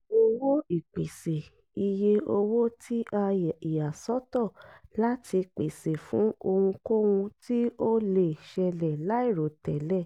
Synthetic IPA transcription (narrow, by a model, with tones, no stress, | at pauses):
o˦wo˦i˦˨k͡pe˨se˨ | i˨je˧o˧wo˦tʰi˦ʔa˧i˨ja˨sɔ˨˦tɔ˦˨la˦tʰi˧k͡pe˨se˨fũ˨˦o˧wũ˧ko˦wũ˧ti˦o˦le˨ʃɛ˧lɛ˨la˨˦i˦˨ɾo˨˦tɛ˨lɛ˦˨